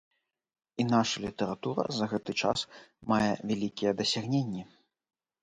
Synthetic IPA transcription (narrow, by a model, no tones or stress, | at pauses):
inaʂɐlʲit̪ɐɾat̪uɾɐ̰zɐɣɛt̪ɨt͡ʂa̰smajɛvʲalʲikʲijɛd̪ɐsʲaɣnʲenʲːɛ